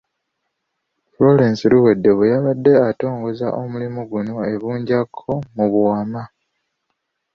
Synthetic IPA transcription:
flo̞leːnsiluwe̞dːe̞βejaβadːe̞ato̞ːŋɡo̞za̰ʔo̞mulimoɡuno̞e̞βuːɲɟakʰːo̞muβuwama

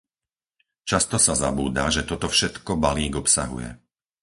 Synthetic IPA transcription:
t͡ʃast̪ɔsaza̰buːd̪aʒɛt̪ɔt̪ɔfʃɛt̪kɔbaliːɡɔpsa̰ɦṵjɛ̰

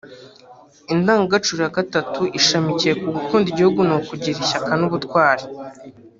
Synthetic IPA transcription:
indaːŋɡaɡat͡ʃuɾihaɡatatuʔiʃamicije̞kuɡukuːndiɟihuɡunokuɟiɾiçakanuβutkwaːɾi̥

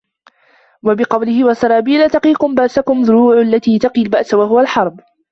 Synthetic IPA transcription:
wabɪqɑwlɪhɪwasɑɾˤɑːbiːlaːt̪ɑqiːkʊmbaʔsakʊmzʊɾuːʕʔalːat̪iːt̪ɑqiːlbaʔsawaɦʊwalħɑɾˤb

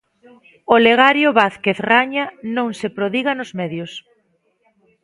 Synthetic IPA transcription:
oleɣ̞aɾjʊβaθkeθraɲanõŋsepɾoðiɣanozmɛðjʊs

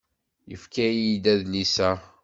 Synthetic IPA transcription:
jə̰fkæjid̪æðnisæ

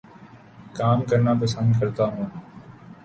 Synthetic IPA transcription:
kaːmkəɾnaːpəsə̃nd̪kəɾt̪aːɦũːn

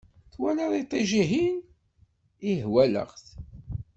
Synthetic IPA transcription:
θwælaðˤit̪ˤːiʒiɦin | iɦwælə̰ʁθ

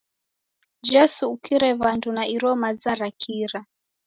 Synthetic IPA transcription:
d͡ʒɛsuːkiɾɛβandunaiɾɔmazaɾakʰiɾa

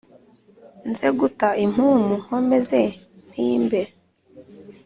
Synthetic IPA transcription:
nzeɡutaim̥uːmuhomeze | n̥iːmbe

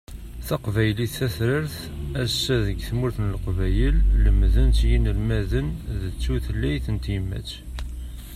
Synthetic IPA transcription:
θɑqvæjəliθæθɾəɾθ | æsːæðəɡθmuɾθnəlqvæjəlləmðənt͡sjinəlmæðənðət͡sːuθlːæjθənt̪jəmːæ̰t͡sː

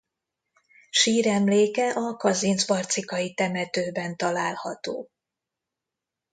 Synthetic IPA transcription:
ʃiːɾɛmleːkɛʔɒkɒzinzbɒrt̪sikɒjit̪ɛmɛt̪øːbɛnt̪ɒlaːlhɒt̪o̰ː

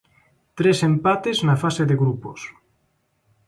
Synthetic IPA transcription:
t̪ɾesempat̪eznafaseðeɣɾupos

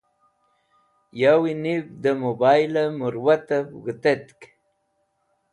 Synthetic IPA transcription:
jawinibd̪əmobajlamuɾwat̪apɣət̪et̪k

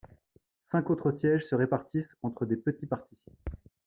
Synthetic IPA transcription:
sɛ̃kot̪χəsjɛʒsəʁepaʁt̪isɑ̃t̪χəd̪epət̪ipaʁt̪i

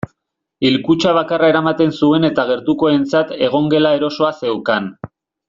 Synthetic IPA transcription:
ilkut͡ʃaβ̞akarae̞ɾamat̪e̞nsue̞ne̞t̪aɣ̞e̞ɾt̪uko̞e̞nt͡sat̪e̞ɣ̞o̞ŋɡe̞lae̞ɾo̞so̞ase̞wkan

